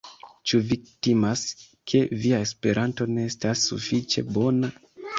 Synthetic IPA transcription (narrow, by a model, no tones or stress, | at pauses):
t͡ʃuvik̚timas | kʰe̞viae̞spe̞ɾʔanto̞ne̞estasːṵfit͡ʃe̞̰bo̞na